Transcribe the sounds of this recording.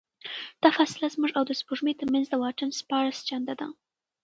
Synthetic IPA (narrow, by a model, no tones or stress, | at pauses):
d̪̥ɑfɑsɪlazmuʐawd̪əspuʐmet̪əɾmanzd̪əwɑʈənspɑɾst͡ʃand̪ad̪a